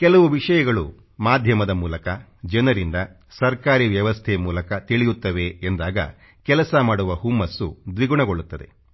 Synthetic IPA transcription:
kɛlɐʋuʋiʂɐjɐɡɐɭṵ | maːd̪ʱjɐmɐd̪ɐmuːlɐkɐd͡ʒɐnɐɾind̪ɐ | sɐɾkaːɾiʋjɐʋɐst̪ʰɛmuːlɐkɐt̪iɭijut̪ːɐʋe̞ːnd̪aːɡɐ̰ | kɛlɐsɐmaːɽuʋɐɦumːɐsːud̪ʋiɡuɳɐɡoɭːut̪ːɐd̪e

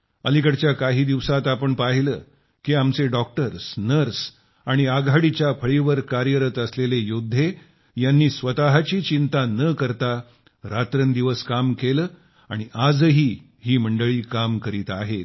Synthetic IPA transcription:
əlikəɽt͡ɕjakaɦiːd̪iʋsat̪apəɳpaɦiləː | kiːamt͡seɖɔk̚ʈəɾsnəɾs | aɽ̃iaɡʱaɽit͡ɕjapʰəɭiʋəɾkaɾjəɾət̪əslelejod̪ʱːe | janːiːsʋət̪aɦat͡ɕiːt͡ɕint̪anəkəɾt̪a | ɾat̪ɾənd̪iʋəskamkeləː | aɽ̃iʔad͡zɦiː | hiːməɳɖəɭiːkamkəɾiːt̪aɦet̪

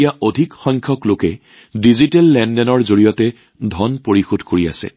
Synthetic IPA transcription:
jaʔodʱikxɔjŋkʰjɔklokɛ | dizitɛlːɛndɛnɔɹzoɹijɔtɛ | dʱɔnpoɹixudʱkoɹia̰sɛ̰

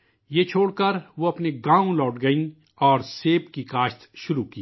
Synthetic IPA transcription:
jeːt͡ʃʰoːɽkɐɾʋoɐpneɡãːõlɔːʈɡɐĩ | ɔːɾseːpkikaːʃt̪ʃʊɾuki

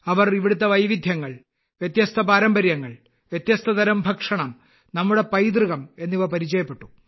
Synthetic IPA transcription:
ɐʋɐriʋiɽut̪ːɐʋɐjʋid̪ʱjɐŋːɐɭ | ʋjɐt̪jɐst̪ʰɐpaːɾɐmbɐɾjɐŋːɐɭ | ʋjɐt̪jɐst̪ʰɐd̪ɐɾɐmbʱɐkʂɐɳɐm | nɐmːuɽe̞pɐjd̪rɨɣɐme̞nːiʋɐrpɐɾit͡ɕɐjɐpːeʈːu

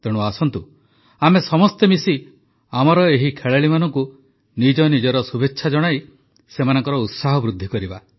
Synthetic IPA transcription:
t̪eɽ̃uasɔnt̪u | amesɔmɔst̪emisi | amɔɾɔeɦikʰeɭeɭimanɔŋku | nid͡ʒɔnid͡ʒɔɾɔsubʱetːʃʰad͡ʒɔɽ̃aj | semanɔŋkɔɾɔut̪saɦɔbɾud̪ʱːikɔɾiba

